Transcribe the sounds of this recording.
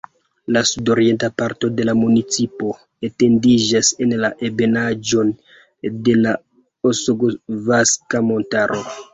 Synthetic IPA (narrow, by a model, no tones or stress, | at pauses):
lasudo̞ɾie̞ntapaɾto̞de̞lamunit͡sipo̞ | ete̞ndid͡ʒase̞nlaʔe̞be̞nad͡ʒo̞n | de̞la | osoɡovaskamo̞ntaɾʔo̞